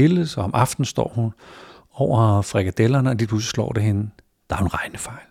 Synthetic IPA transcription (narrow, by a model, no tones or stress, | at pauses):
e̝lsɒ̽ɒ̽mʔɑ̈fd̥n̩sd̥ɒ̰ːhun | ɒʊ̰ɐfʁɛɡ̥æd̥elɐnəɒd̥ipʰus̬slɒ̰ːd̥eɦe̝nə | d̥ɑ̈æɐhunʁɑ̈ɪnəfɑ̈ɪ̰l